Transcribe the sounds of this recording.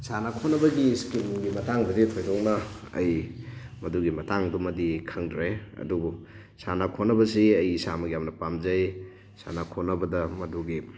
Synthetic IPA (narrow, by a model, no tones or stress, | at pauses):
sanakʰonːɐbɐɡiskinɡimɐtaŋdɐditʰojdɔk̚nɐ̰ː | jmɐduɡimɐtaŋdumɐdikʰɐŋdɾeɐ̰dubu | sanakʰonɐbɐsiɐjːsamɐɡjamnɐpamd͡ʒaj | sa̰nakʰonɐbɐdɐmɐduɡi